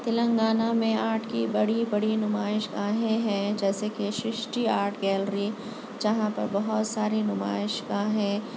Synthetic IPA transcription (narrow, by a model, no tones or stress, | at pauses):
t̪ɪlə̃ŋɡaːnamẽaːɾʈkibɐɽibɐɽinʊmaːɪʃɡaːɦẽɦɛ̃ːd͡ʒɛːsekeʃɾɪʃʈiaːɾʈɡɛːlɾi | d͡ʒɐɦãpɐ̰ɾbɐɦʊt̪saːɾinʊma̰ːɪʃkãɦɛ̃ː